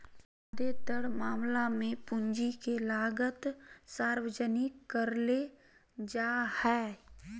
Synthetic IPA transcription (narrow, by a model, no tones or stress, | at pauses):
d̪ed̪əɽmaːmlamẽpʊɲd͡ʒikelaːɡət̪saːɾwəd͡ʒənikəɾle | d͡ʒaːhɛː